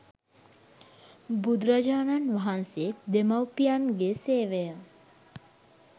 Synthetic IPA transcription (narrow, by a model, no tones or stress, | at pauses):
bud̪ɾad͡ʒaːnanʋaɦanseed̪emawpijanɡeseːʋejə